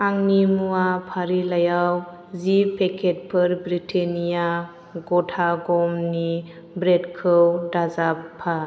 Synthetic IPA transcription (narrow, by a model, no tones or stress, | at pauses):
aŋnimuapʰaɾilajaw | zipʰekʰet̚pʰəɾbɾitʰenija | ɡɔtʰaɡɔmni | bɾedkʰɯwdazapʰːa